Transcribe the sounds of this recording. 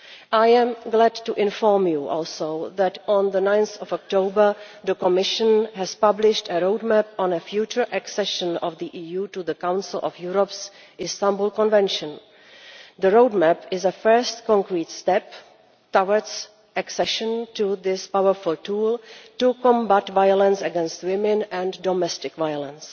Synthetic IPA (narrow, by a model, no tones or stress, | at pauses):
ʔajɛ̃mɡlædtuʔɪ̃nfɔɹmjuʔɔlˠsoʊðætɔ̃nðənãjnθɔvɔk̚toʊbə˞ðəkɔmɪʃə̃nɦɛz̥pablɪʃtəɹoʊdmɛpɔ̃nəfjuːt͡ʃə˞ʔɛksɛʃə̃nɔvðiʔiːjuːtuðəkãw̃nsɪl̩ʔɔ̰fjuɹɔps | ʔɪstãmbolkɔ̃nvɛ̃nʃə̃n | ðəɹowdmæpɪzəfɜ˞stkɔ̃ŋkɹiːtstɛp | tawə˞ds | ʔɛksɛʃə̃ntuðɪspawəɹfʊlˠtuːlˠtukɔ̃mbatvajələ̃nsəɡɛ̃nstwɪmɪ̃nɛ̃ndɔmɛstɪkvajələ̃ns